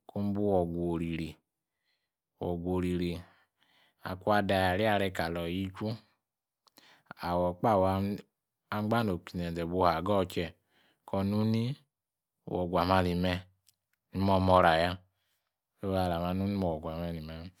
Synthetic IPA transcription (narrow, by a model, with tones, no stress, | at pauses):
ko˦m̩˦bu˦wɔ˨ɡʷo˨ɾi˨ɾi˨ | wɔ˨ɡʷo˨ɾi˨ɾi˨ | a̰˨ku˦a˧da˧˨ja˨ɾi˦a˦˧ɾɛ˧ka˨lɔ˨ji˦t͡ʃu˦ | a˨wɔ˨k͡pa˦˨w | a˧˦ɡ͡ba˦no˨ki˨nɛ˨d͡zɛ˨bu˧˦ha˨ɡɔ˦˨t͡ʃɛ˧ | kɔ˧nu˦ni˦˨ | wɔ˨ɡʷa˨ma˧ni˨mɛ˧ | ni˦mɔ˧mɔ˧ɾa˨ja˧ | e˦wa˧˨la˨ma˧nu˦ni˦mɔ˧˨wɔ˨ɡʷa˨ma˧ni˨mɛ˨˦